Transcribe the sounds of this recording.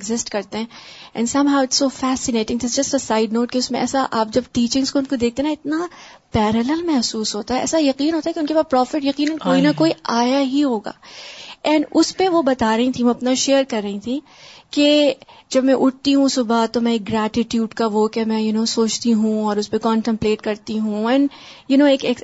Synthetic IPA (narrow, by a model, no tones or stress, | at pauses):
eɡzɪsʈkɐɾt̪ẽɦɛ̃ɛ̰̃nsɐ̃mɦaʊɪʈsːoːfɛːsɪneːʈɪ̃ŋd̪ɪs̬d͡ʒɐsʈɐsaːɪɖnoːʈkeʊsmẽɛ̰ːsaʔaːp̚d͡ʒɐbʈiːt͡ʃɪ̃ŋskoʊnkod̪eːk̚t̪eɦːnaɪt̪na | pɛːɾəlɛlmɛɦsuːsɦoːt̪aɦɛɛ̰ːsajɐqiːnɦoːt̪aɦɛkeɪʊnkepaːpɾɔːfɪʈjɐqiːnə̃nkoːinɐkoːiʔaːjaɦiɦoːɡa̰ːɛ̃ːɳɖʊspeʋobɐt̪aːɾɐɦĩt̪ʰĩʋoɐpnaʃeːəɾkɐɾːɐɦĩt̪ʰĩ | ked͡ʒɐbmɛ̃ʔʊʈ̚t̪iɦũsʊbat̪omɛ̃eːk̚ɡɾɛːʈɪʈjuːɖkaʋokemɛ̃jʊnoːsoːt͡ʃt̪iɦũɔːɾʊspekɔ̃ːɳʈə̃mpleːʈkɐɾt̪iɦũɛ̃ːɳjʊnoːeːkeːk